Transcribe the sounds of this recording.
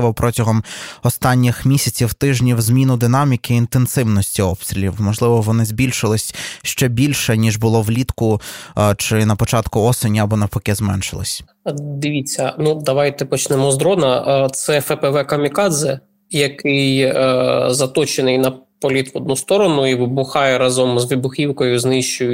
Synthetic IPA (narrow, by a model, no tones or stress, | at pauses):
ʋɔwpɾʔɔtʲɐɦɔmɔst̪ɑnʲːɪxmʲisʲɐt͡sʲiwt̪ɪʒnʲiwzmʲinʊd̪ɪnɑmʲikɪːnt̪ensɪwnɔsʲtʲiɔpst̪ʲɾʲilʲiwmɔʒlˠɪʋɔʋɔnɪzbʲilʲʃɪlˠɪsʲʃt͡ʃɛbʲilʲʃɛnʲiʒbʊlˠɔwlʲit̪kʊt͡ʃɪnɐpɔt͡ʃɑt̪kʊɔsenʲiɐbɔnɐpɔkɛzmɛ̰nʃɪlˠɪ̰sʲ | d̪ɪʋʲit͡sʲːɐnud̪ɐʋɑjt̪ɛpɔt͡ʃnɛmɔzd̪ɾɔnɐt̪sɛfɛpɛʋɛkɐmʲikɑd̪zɛ | jɐkɪj | zɐt̪ɔt͡ʃenɪjnɐpɔlʲit̪ʋɔd̪nust̪ɔɾɔnʊiʋɪbʊxɑjɛɾɑzɔmzʋʲibʊxʲiwkɔjʊznɪʃt͡ʃʊjʊ